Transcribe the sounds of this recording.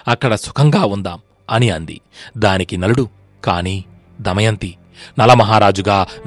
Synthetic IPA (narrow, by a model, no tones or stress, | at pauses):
ɐkːɐɽɐsu̥kʰɐŋɡaːund̪aːm | ɐniɐnd̪ḭd̪aːnikinɐluɽu | kaːniː | d̪ɐmɐjɐnt̪i | nɐlɐmɐɦaːɾaːd͡ʒuɡaːʋ